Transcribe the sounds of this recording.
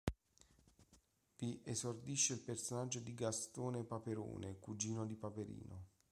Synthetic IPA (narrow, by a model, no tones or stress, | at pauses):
viʔezord̪iʃːeilpersonad͡ʒːod̪iɡast̪oːnepapeɾo̰ːnekud͡ʒiːnod̪ipapeɾḭːno